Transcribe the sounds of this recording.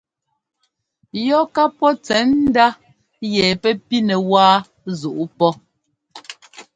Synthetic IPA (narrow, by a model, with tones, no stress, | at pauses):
jɔ˦ka˦pɔ˦t͡sɛ˨˦n̩˦da˦ | jɛ˨pɛ˦pi˦nɛ˨waː˦ | zu˨ʔu˦pɔ˦